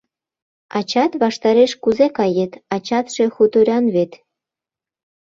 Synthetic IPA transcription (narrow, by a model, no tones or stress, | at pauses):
ɑt͡ɕɑt̪βɑʃt̪ɑɾeʃkuzekɑjet̪ɑt͡ɕɑt̪ʃe̽xut̪uɾʲɑnβet̪